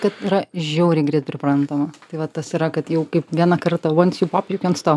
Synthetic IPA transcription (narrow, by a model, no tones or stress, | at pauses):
kɐt̪iːɾɐʒʲɛʊɾʲɛɪɡɾʲiːt̪̚pʲɾʲɪpɾɐnt̪oːmɐt̪ɐɪʋɐt̪ɐsiɾɐkɐt̪jɛʊkɐɪpʋʲiɛnɐkɐrt̪ɐoɔnt̪sjuːpɑːpʲjukʲɛnst̪oː